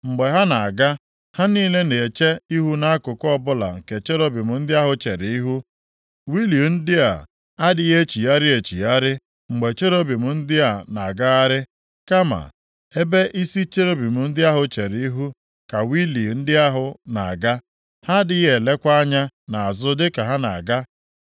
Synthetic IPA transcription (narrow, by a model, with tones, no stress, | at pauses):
ŋ͡m̩˨ɡ͡be˨ɦa˦na˨a˨ɡa˦ | ha˦niː˦le˦ne˨t͡ʃe˦i˦ɦu˦na˦kʊ˨kɔ˦bʊ˦la̰˨ŋ̩˨ke˨t͡ʃe˦ɾo˦bi˨mʊ˨n̩˦dɪ˦a˦ɦʊ˦t͡ʃe˨ɾɪ˨i˦ɦu˦ | wi˦li˨n̩˦dɪ˦a̰˨ | a˦dɪ˦e˦t͡ʃi˨ja˦ɾɪ˦e˨t͡ʃḭ˨ja˦ɾɪ˦ | ŋ͡m̩˨ɡ͡be˨t͡ʃe˦ɾo˦bi˨mʊ˨n̩˦dɪ˦a˨na˨ɡa˦a˦ɾɪ˦ | ka˦ma̰˨ | he˦be˦ʔi˦si˦t͡ʃe˦ɾo˦bi˨mʊ˨n̩˦dɪ˦a˦ɦʊ˦t͡ʃe˨ɾɪ˨i˦ɦu˦ | ka˨wi˦li˨n̩˦dɪ˦a˦ɦʊ˨na̰˨a̰˨ɡa˦ | ha˦dɪ˦ɦe˨le˦kʷa˦a˦ɲa˦na˨a˨zʊ˦dɪ˦ka˨ɦa˦na̰˨ɡa˦